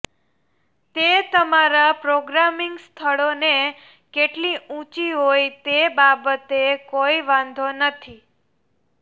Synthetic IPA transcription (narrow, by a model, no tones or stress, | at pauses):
t̪et̪əmaɾapɾoɡɾamiŋɡst̪ʰəɭone | keʈlĩũt͡ʃiɦojt̪ebabət̪ekoiʋãnd̪ʱonət̪ʰi